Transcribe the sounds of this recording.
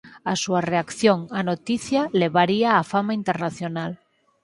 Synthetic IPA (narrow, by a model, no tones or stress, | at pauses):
asuareakθjoŋanot̪iθjaleβaɾiaːfamaint̪eɾnaθjonal